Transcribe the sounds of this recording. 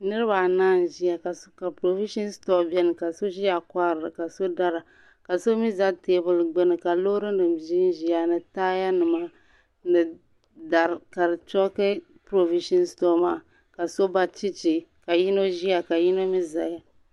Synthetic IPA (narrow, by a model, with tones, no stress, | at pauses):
nɨ˦ɾɨ˦ba˨naː˦˨n˨ʒi˦ja˨ka˨ska˨pɾo˨vi˦ʃi˦n˦stɔ˦bɛ˦nɨ˨ka˨so˦ʒi˦ja˨kʷa˦ɾɨ˨ɨ˨ka˨so˦da˦ɾa˨ | ka˨so˦mi˦za˦teː˦bʊ˨lɡ͡bɛ˦nɨ˨ka˨lo˦ɾɨ˦ndɨ˨m˨ʒi˦n˦ʒi˨ja˨nɨ˨taː˦ja˦nɨ˨ma˦ | nɨ˨ | da˨ɾka˨ɾɨ˨t͡ʃɔ˦kɨ˦ | pɾo˨vi˦ʃi˦nstɔ˦maː˦˨ | ka˨so˦ba˦t͡ʃi˦t͡ʃi˨ka˨ji˦no˦ʒi˦ja˨ka˨ji˦no˦mi˦za˨ja˨